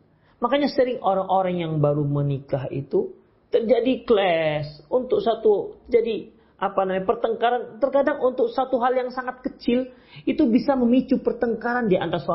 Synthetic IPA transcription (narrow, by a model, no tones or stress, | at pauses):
makaɲasəɾɪŋoɾaŋʔoɾaŋjaŋbaɾumənikaɦḭt̪u | t̪ərd͡ʒadiklɛsunt̪ʊk̚sat̪ut̪əd͡ʒadi | ʔapanamaɲapərt̪əŋkaɾant̪ərkadaŋunt̪ʊk̚sat̪uɦaljaŋsaŋat̪̚kət͡ʃɪl | it̪ubisaməmit͡ʃupərt̪əŋkaɾandia̰nt̪aso